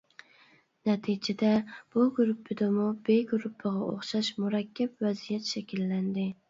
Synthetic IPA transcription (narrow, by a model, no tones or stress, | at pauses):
nɛt̪ʰɪd͡ʒɛd̪æb̥uɡɾupʰːɪd̪ɪmʊbeɡɾupʰːɨʁɑo̰χʃɑʃmuɾɑkʲʰːapvɛzijɛt̪ʃɛkʲʰilːænd̪ɪ